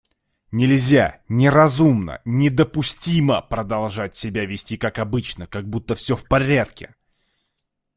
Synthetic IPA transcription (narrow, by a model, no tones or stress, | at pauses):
nʲɪlʲzʲa̰nʲɪɾɐzumnə̰nʲɪd̪əpʊsʲtʲiməpɾəd̪ɐlˠʐat̚ʲsʲɪbʲavʲɪsʲtʲikakɐbɨt͡ɕnəkaɡ̚but̪ːəfsʲɵfpɐɾʲat̪kʲɪ